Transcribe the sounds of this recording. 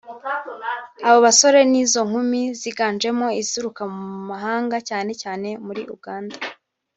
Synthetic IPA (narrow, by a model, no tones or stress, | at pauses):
aβo̞βaso̞ɾe̞niːzo̞ŋ̥humiziɡaːnd͡ʒe̞mo̞iziɾukamumaɦaːŋɡacaːne̞caːne̞muɾiʔuɡaːnda